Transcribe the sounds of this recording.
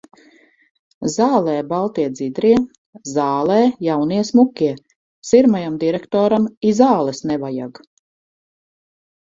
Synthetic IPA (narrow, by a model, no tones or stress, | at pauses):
zaːlˠɛːbalˠt̪iɛd̪zid̪ɾiɛ | zaːlˠɛːjawniɛsmukʲːiɛ | siɾmajamd̪iɾɛkt̪ɔːɾamizaːlˠɛsnɛvaja̰ɡ